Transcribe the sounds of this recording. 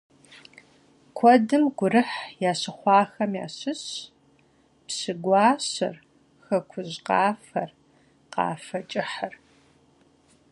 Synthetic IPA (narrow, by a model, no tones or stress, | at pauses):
kʷʰɔdɨmɡʷʊrɨħjaːɕɨχʷɑːxɐmja̰ːɕɨɕ | psɨɡʷɑːɕɐ̰r | xɐkʷʰʊʑqɑːfɐr | qɑ̰ːfɐt͡ʃʼɪħɐr